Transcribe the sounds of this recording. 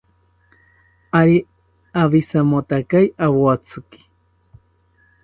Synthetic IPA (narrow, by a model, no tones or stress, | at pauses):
aɾi | aβisamot̪akajʔaβoat͡sʰɨki̥